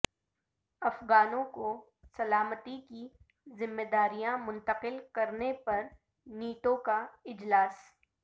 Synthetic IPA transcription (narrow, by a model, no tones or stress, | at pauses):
ɐfɣaːnõko | sɐlaːmət̪iki | zɪmːed̪aːɾijãmʊ̃nt̪əqɪlkɐɾnepɐɾ | niːʈõkaɪd͡ʒlaːs